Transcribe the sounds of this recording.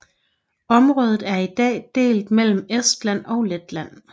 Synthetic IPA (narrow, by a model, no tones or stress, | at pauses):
ɒ̽mʁɔ̽ːð̞ˠð̩ˠæɐid̥ɛ̰ːd̥e̝̰ːld̥mel̰m̩esd̥læn̰ɒ̽ʊled̥læn̰